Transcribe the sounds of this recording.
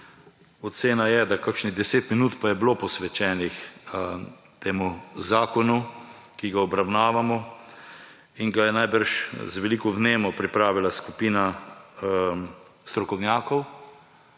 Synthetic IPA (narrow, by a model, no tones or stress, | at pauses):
ɔseːnajɛd̪akakʃnid̪ɛseːt̪minuːt̪pajɛblopɔsʋɛt͡ʃɛːnix | t̪eːmuzaːkɔnu | kiɡaɔbɾawnaːʋamɔ | iŋɡajɛnajbəɾʃzʋɛlikɔvneːmɔpɾipɾaːʋilaskupiːna | st̪ɾɔkɔwnjaːkɔw